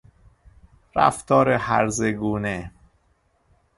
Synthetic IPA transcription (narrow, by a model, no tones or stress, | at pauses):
ɾæ̰ft̪ʰɒːɾehæɾzeɡuːne